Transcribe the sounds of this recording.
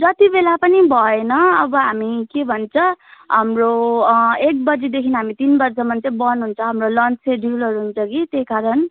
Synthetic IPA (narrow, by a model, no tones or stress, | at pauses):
d͡zʌt̪ibelapʌnibʱʌenʌʌbʌɦamikebʱʌnt͡sʰʌɦamro | ek̚bʌd͡zid̪ekʰinɦamit̪inbʌrsʌmant͡sʌĩbʌnuɦunt͡sʰʌ̃ɦamrolʌnt͡seɖʱulʌɾuɦunt͡sʰʌkit̪ekaɾʌn